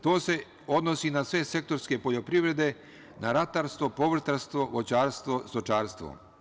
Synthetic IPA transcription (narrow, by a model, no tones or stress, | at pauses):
t̪o̞ːse̞ | od̪nosinasʋe̞se̞k̚t̪o̞ɾske̞po̞ʎo̞pɾiʋɾe̞d̪e̞ | naɾat̪aːɾst̪vopoʋr̩t̪aɾst̪ʋo̞ʋot͡ɕaːɾst̪ʋost̪ot͡ʃaːɾst̪ʋo̰